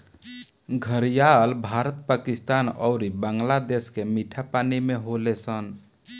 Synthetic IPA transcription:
ɡʱəɾijalbʱaɾət̪pakist̪anɔ̰ʊɾibaŋɡlad̪eskemiʈʰapanimeɦolesən

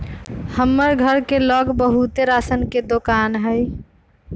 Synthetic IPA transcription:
həmːəɾɡʱəɾkelɔɡbəɦut̪eɾaːsənked̪okaːnɦəj

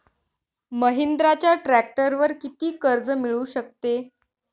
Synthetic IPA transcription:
məɦind̪ɾat͡ɕjaʈɾæk̚ʈəɾʋəɾkit̪iːkəɾd͡zmiɭuːɕək̚t̪e

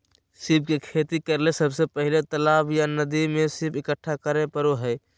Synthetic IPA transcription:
sɪb̚kekʰeːt̪ikəɾlesəbsepəɦɪlet̪əlaːbjanəd̪imẽsɪbʰɪkəʈʰːakəɾepəɾoɦɛː

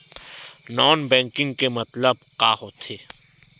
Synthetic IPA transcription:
nɔːnbɛ̃ːŋkɪ̃ŋɡkemɐt̪ləbqaːɦot̪ʰeː

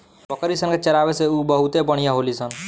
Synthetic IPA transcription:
bəkəɾisənket͡ʃəɾaːʋeseuːbəɦut̪epəɽ̃ijãɦolisən

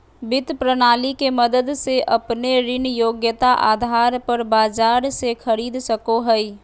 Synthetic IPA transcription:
bɪt̪pɾənaːlikeməd̪əd̪seʔəpneɾɪnjoːɡjət̪aʔaːd̪ʱaːɾpəɾbaːd͡ʒaːɾsekʰəɾiːd̪səkoɦəi

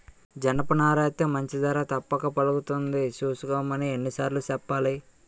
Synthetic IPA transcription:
d͡ʒɐnɐpɐnaːɾɐjɐt̪ɐmɐɲt͡ʃid̪ɐɾaːt̪ɐpːɐkɐpɐluɡut̪und̪it͡ʃuːsukɐmɐnienːisaːɾlut͡ʃɛpːaːli

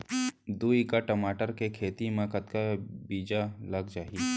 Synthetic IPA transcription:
d̪uːikaʈɐmaːʈəɾkekʰeːt̪imãːkət̪kabiːd͡ʒalɐɡd͡ʒaːiː

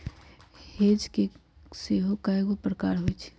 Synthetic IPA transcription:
heːd͡ʒke | seːɦokaeɡopɾəkaːɾɦoit͡ʃʰ

